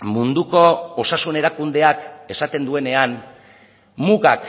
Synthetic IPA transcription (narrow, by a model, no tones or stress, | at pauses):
mund̪uko̞osasune̞ɾakund̪e̞ake̞sat̪e̞nd̪ue̞ne̞an | muɣak